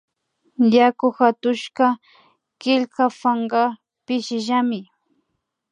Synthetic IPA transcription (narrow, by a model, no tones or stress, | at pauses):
jakʊxat̪ʊʃka | kɪʎkafaɴɢɑ | pɪʃɪʒamɪ